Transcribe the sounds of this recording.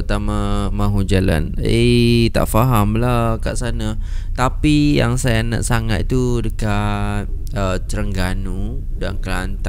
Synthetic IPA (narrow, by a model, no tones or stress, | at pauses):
ət̪amãmãɦud͡ʒəla̰net̪a̰ʔfaɦamlahkaʔsanat̪apija̰ŋsajana̰ʔsaŋa̰t̪̚t̪udəkat̪̚ | ət͡ʃəɾəŋɡanu | dankəlant̪a